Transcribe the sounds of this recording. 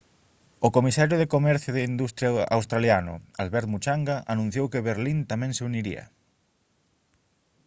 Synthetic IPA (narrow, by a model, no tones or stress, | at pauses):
ʊkomisaɾjʊðɪkomɛɾθjʊðeind̪ust̪ɾjaa̰wst̪ɾaljanʊ̰alβɛɾt̪mut͡ʃaŋɡaʔanũn̟θjowkɪβeɾlint̪amɛ̃ŋseuniɾḭɐ̰